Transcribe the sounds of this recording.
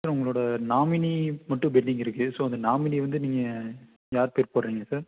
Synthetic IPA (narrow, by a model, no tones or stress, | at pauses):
saːɾʊŋɡɐɭoːɽɐnaːmɪnimɐʈːɯ̃bɛɖɪŋɪɾɯkːɯsoːɐnd̪ɐnaːmɪniʋɐnd̪ɯniːŋɡɐ | jaːɾpeːɾpoːɾɾiːŋɡɐsaːɾ